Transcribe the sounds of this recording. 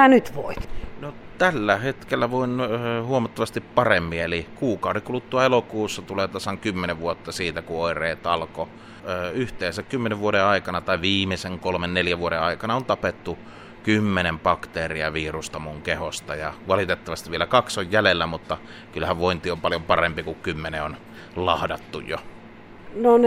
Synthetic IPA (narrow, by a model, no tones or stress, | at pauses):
ænyt̪ʋo̰it̪not̪ælːæhet̪kelːæʋoinːhuomɑt̪ːɑʋɑst̪ippɑremːielikuːkɑˑurikulut̪ːuɑelokuːsːɑt̪uleːt̪ɑsɑŋkymːeneʋʋuot̪ːɑsiːt̪ækuoˑirˑeːt̪ɑlko | yht̪eːsækkymːeneʋʋuodeɑˑikɑnɑt̪ɑiʋiːmeseŋkolmenneljæʋuoɾeɑˑikɑnɑont̪ɑpet̪ːu | kymːenempɑkt̪eːriɑʋiːrust̪ɑmuŋkehost̪ɑjɑʋɑlit̪et̪ːɑʋɑst̪iʋielækɑksojjælelːæmut̪ːɑ | kylhæʋʋoint̪iompɑljompɑrempikukkymːeneon | lɑhdɑt̪ːujjo̰ | non